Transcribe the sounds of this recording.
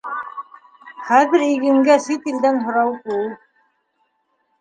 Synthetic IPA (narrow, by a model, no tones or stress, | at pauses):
χæðɘ̆ɾiɣɘ̆ŋɡæsit̪ild̪ænɦŏɾɑwkul